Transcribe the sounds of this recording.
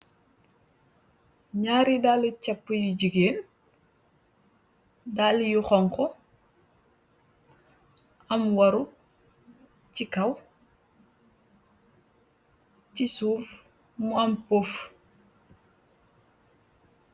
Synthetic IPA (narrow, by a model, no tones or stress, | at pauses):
ɲaːɾidaːlicɐpːujuɟiɡeːn | dalijuxɔŋkɔ | ɐmwɐɾu | cikɐw | cisuːf | muɐmpoːf